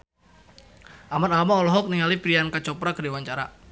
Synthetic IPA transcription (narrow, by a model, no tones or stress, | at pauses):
ʔamanalamaɔlɔɦɔk̚niŋalipɾiankat͡ʃɔpɾakədiwaɲt͡ʃaɾa